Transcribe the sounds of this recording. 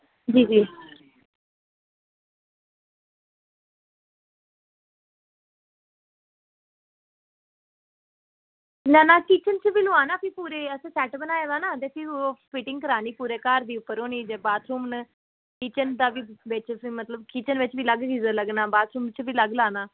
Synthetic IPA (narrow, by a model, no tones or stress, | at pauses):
d͡ʒiːd͡ʒiː | nanaːkiːt͡ʃənt͡ʃʋiːlʊaːnaːpʰipuːɾeːəsẽːsɛːʈbənaːeːd̪aːnaːd̪eːpʰɪɾpʰɪʈɪ̃ŋɡkəɾaːniːpuːɾeːkaːɾd̪iːʊpːəɾɦoːniːd͡ʒeːbaːt̪ʰɾuːmn | kiːt͡ʃənd̪aːʋiːʋɪt͡ʃimət̪ləbkiːt͡ʃənʋɪt͡ʃbiːləɡɡiːzələɡnaːbaːt̪ʰɾuːmt͡ʃbiːləɡlaːnaː